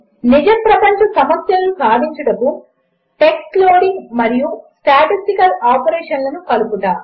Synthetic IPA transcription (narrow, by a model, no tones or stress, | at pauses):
nid͡ʒɐmpɾɐpɐɲt͡ʃɐsɐmɐsjɐlubʱaːd̪ʱiɲt͡ʃɐɽɐku | ʈe̞ksʈloːɽiŋɡmɐɾijusʈaːʈisʈikɐlaːpɐɾeːʂɐnlɐnukɐlukut̪aː